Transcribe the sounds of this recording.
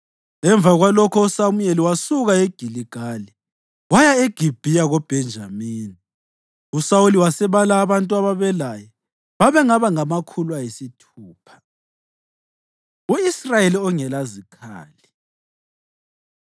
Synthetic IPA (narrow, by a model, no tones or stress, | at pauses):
ɛɱb̪vʱaɣwalɔkʰɔusamueliwasuɣaeɡ̥ʱiliɡ̥ʱali | ɣwajaeɡ̥ʱib̥ʱijaɣɔb̥ʱɛnd͡ʒʱamiːni | usauliwasɛβalaːβantʼuaβaβɛlajɔ | βaβɛŋaβaŋamakʰulwajesitʰuːpʰḁ | uisrajeliɔŋɛlazikʰa̰ːli